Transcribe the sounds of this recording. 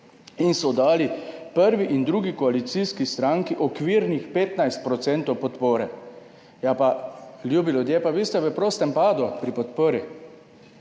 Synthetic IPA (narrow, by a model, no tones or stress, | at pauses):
insɔd̪aːlipəɾʋiʔind̪ɾuːɡikɔalit̪siskist̪ɾaŋkiʔɔkʋiːɾnixpeːt̪najst̪̚pɾɔt̪sɛnt̪ɔwpɔt̪poːɾɛ | japaljuːbilud̪jeːpaʋiːst̪ɛʋəpɾoːst̪ɛmpaːd̪upɾipɔt̪poːɾi